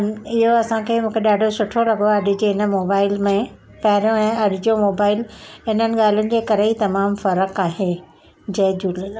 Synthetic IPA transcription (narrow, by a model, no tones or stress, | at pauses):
ɪɦoɐsãkʰeːmũːkʰeɗaːɖʱosʊʈʰoɾɐɡoɐɗʱɪ̆d͡ʑeːɪnə̆moːbaːɪlmẽ | pɐɦɪɾijõɛ̃ːɐɗɪd͡ʑomoːbaːɪlɪnənɪ̆ɠaːl̤ənɪ̆d͡ʑeːkɐɾeit̪ɐmaːmfɐɾəkaːɦe | d͡ʑɐːd͡ʑuːlə